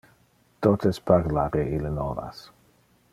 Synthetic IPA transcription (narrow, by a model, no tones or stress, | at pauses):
t̪ot̪ʰesparlaɾeilənova̰s